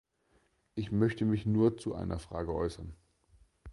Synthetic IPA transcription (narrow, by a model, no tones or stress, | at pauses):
ʔɪçmœçtəmɪçnuːɐt͡suʔa̰ɪnʔɐ̰fʁ̥aːɡəʔɔʏsɐn